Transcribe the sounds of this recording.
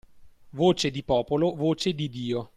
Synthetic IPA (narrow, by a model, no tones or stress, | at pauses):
voːt͡ʃed̪ipɔːpolovoːt͡ʃed̪id̪iːo